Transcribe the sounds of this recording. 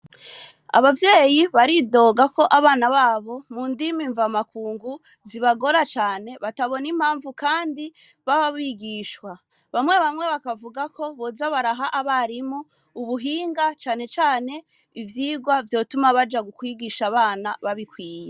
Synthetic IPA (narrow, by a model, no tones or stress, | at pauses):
a̰βavje̞ːjiβaɾido̞ːɡako̞ʔaβaːnaβaːβo̞muːndimiɱvamakuːŋɡu | ziβaɡo̞ɾat͡ʃaːne̞βataβo̞nim̥haːɱvukaːndi | βaβaβiɡiːʃwa | βamŋe̞βamŋe̞βakavuɡako̞βozaβaɾaɦaʔaβaɾimuː | βuɦiːŋɡat͡ʃaːne̞t͡ʃaːne̞ | ivjiːɡwavjo̞ːtumaβad͡ʒaɡukwiɡiʃaβaːnaβaβikwiːje